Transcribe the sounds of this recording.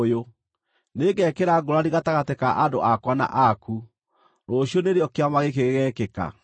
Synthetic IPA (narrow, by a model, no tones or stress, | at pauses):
jo | neɡɛkeɾaɡoɾaɾiɣataɣatekaʔadoʔakwana̰ʔaku | ɾoɕjoneɾeɔkeamaɣekeɣeɣɛːkeka̰